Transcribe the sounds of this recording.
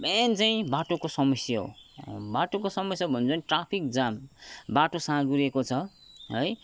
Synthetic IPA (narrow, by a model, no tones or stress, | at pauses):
bent͡saĩbaʈokosʌmʌsjʌɦo̰baʈokosʌmʌsjʌbʱʌnt͡sʌniʈrapʰik̚d͡zambaʈosãɡuɾekot͡sʰʌ | ɦʌj